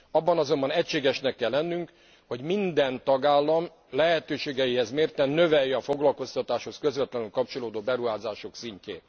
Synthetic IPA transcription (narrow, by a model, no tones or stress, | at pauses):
ɒbːɒnɒzo̞mbɒnɛcʃeːɡɛʃnɛkːɛlːɛnːyŋk | ho̞ɟmind̪ɛnt̪ɒɡaːlːɒm | lɛɦɛt̪øːʃeːɡɛjihɛzmeːrt̪ɛnːø̞vɛjːɛɒfo̞ɡlɒlko̞st̪ɒt̪aːʃho̞skø̞zvɛt̪lɛnylkɒp̚t͡ʃo̞loːd̪oːbɛɾuɦaːzaːʃoksiɲcḛː